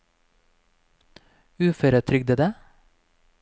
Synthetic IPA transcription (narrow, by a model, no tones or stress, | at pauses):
ʉːfœɾət̪ʰɾʏɡ̚d̪əd̪ə